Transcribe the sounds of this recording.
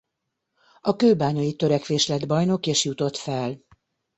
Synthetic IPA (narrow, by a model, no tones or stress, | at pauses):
ɒkøːbaːɲɒit̪øɾɛkʋeːʃlɛd̪bɒjno̞keːʃjut̪o̞t̪fɛl